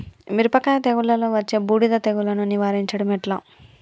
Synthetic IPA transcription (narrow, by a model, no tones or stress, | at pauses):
miɾupɐkːajɐt̪eɡuɭːɐloʋɐt͡ʃːeːbuːɽid̪ɐt̪eɡulɐnuniʋaːɾiɲt͡ʃɐɽɐmeʈlɐ